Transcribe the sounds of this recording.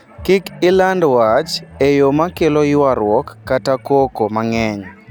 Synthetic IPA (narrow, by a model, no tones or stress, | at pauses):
kɪkɪlandwat͡ʃejomakelɔjwaɾwɔkːatakokomaŋɛɲ